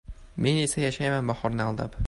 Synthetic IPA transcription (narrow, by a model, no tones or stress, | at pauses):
me̞ne̞sajaʃajmanbɒhɒɾnɪɒlˠd̪a̰p